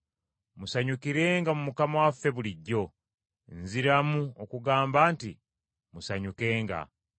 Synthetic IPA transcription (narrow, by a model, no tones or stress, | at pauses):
musaɲukiɾe̞ːŋɡamumukamawafːe̞βuliɟːo̞ | nziɾamuokuɡaːmbaːnti | musaɲuke̞ːŋɡa̰